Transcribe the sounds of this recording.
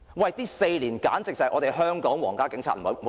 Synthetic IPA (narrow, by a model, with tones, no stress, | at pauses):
wɐ˨jt̪iː˥se˧jliː˨˩nkaː˨˥nt͡sɪ˨k̚t͡sɐ˨jʔɔː˨˧ɾe˨jɦœː˥ŋkɔː˨˥ŋwɔː˨˩ŋkaː˥kɪ˨˥ŋt͡sʰa̰ː˧t̚m̩˨˩o˨˧m̩˩˨˦